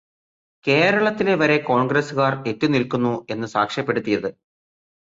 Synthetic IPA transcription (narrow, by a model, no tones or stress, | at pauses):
ke̞ːɾɐɭɐt̪ːile̞ʋɐɾe̞ko̞ːɳɡresuɣaːre̞tːunilkunːue̞nːɨsaːkʂjɐpːe̞ɽut̪ːijɐðɨ